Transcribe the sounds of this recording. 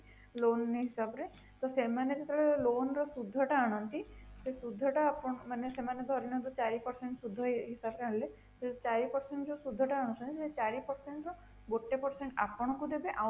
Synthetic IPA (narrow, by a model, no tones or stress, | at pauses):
loniɦisabɔɾe | t̪ɔsemaned͡ʒet̪ʰɔɭelonɔɾɔsud̪ʱːɔʈaːɽ̃ɔnt̪isesud̪ʱːɔʈaːpɔmanesemaned̪ʱɔɾinɔd̪ut͡ʃaɾipɔɾseɳʈsud̪ʱːɔɦisabkaɽle | set͡ʃaɾipɔɾseɳʈd͡ʒosud̪ʱːɔʈaːɽ̃ɔt͡ʃʰɔnt̪iset͡ʃaɾipɔɾseɳʈɾɔ | boʈːepɔɾseɳʈa̰pɔɽ̃ɔkud̪ebeʔa